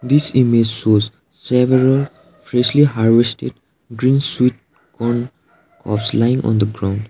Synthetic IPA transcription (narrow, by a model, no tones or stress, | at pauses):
d̪isimed͡ʒsoz | sɛʋəɾəl | fɾɛʃliɦaɾʋesʈeɖ | ɡɾĩnswiʈ̚ | kɔn | kʰɔ̰pslaɪĩŋʔɔ̰̃nd̪əɡɾãʊ̃nɳɖ